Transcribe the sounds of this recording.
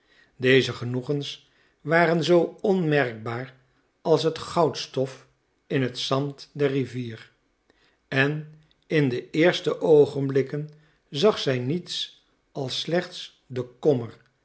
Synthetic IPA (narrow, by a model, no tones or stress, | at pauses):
dejzəχənuχəns | ʋaːɾənzowɔnmɛrk̚baːɹ | ɑlˠs̬ɦətχɑwtstɔf | ɪnɦətsɑntdɛriviːr | ɛn | ɪndəʔɪːɹstəʔowχənblɪkən | zɑχsɛjnits | ɑlˠslɛχts | dəkɔməɹ